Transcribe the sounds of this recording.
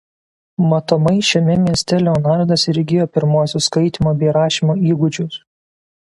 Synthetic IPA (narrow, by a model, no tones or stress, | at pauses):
mɐt̪omɐɪʃʲɛmʲɛmʲiɛsʲt̪ʲɛlʲoːnɑˑɾd̪ɐsɪɾʲɡʲɪjoːpʲɪɾmuɔsʲʊskɐɪt̪ʲimoːbʲɛɪɾɑːʃʲimoːiːɡʊd͡ʒʲʊs